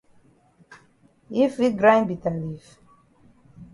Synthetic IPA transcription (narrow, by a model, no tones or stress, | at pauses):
ifiɡɾãj̃nbitalif